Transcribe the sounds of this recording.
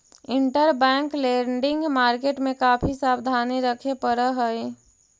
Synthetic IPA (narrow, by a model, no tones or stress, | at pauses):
ɪɳʈəɾbɛ̃ːŋkleɾɳɖɪ̃ŋɡmaːɾkeːʈmẽkaːpʰisaːbd̪ʱaːniɾəkʰepəɾəɦəj